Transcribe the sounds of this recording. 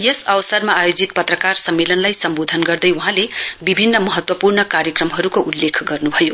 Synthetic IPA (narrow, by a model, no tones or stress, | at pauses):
jʌsʌwsʌrmaːjod͡zit̪pʌt̪rʌkarsʌmːelʌnlajsʌmbod̪ʱʌnɡʌrd̪ʌjuɦãlebibʱinːʌmʌɦʌt̪wʌpurnʌkaɾjʌkrʌmɦʌɾukoʔulːekʰɡʌrnubʱʌjo